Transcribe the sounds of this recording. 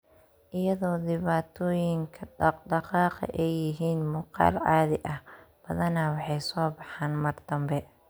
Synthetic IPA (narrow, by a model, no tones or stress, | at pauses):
ʔɪjɐðɔːd̪ɪβaːt̪ʰɔːjɪŋkʰɐɖɑqɑːqɐ̰ʔɛjːɪɦiːnmʊːqɑ̰ːlaːðɪʔɐh | b̥ɐðɐnɐwɑħɑjsɔːbɑħɑːnmɐrd̪ɐmbɛ